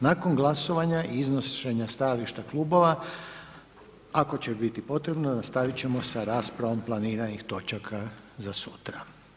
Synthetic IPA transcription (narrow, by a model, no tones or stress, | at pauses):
nako̞nɡlˠaso̞ʋaɲaʔiiznoʃe̞ɲast̪ajaliʃt̪aklˠuːbo̞ʋa | ako̞t͡ɕe̞bit̪ipo̞t̪ɾe̞bnonast̪aʋit͡ɕe̞mo̞saɾaːspɾaʋo̞mplˠaniːɾanixt̪o̞t͡ʃakʰa | zasut̪ɾa